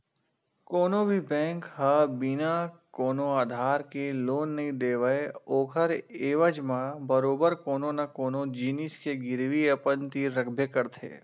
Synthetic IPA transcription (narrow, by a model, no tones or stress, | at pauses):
koːnõbʱibɛ̃ːŋkɦəbinakoːnoaːd̪ʱaːɾkeloːnːɐɦĩd̪eːʋəeoːkʰəɾeːʋəd͡ʒmãbəɾoːbəɾkoːnonakoːnod͡ʒiːniskeɡɪɾʋiɐpənt̪iɾɐkʰbʱjəkəɾt̪ʰḛː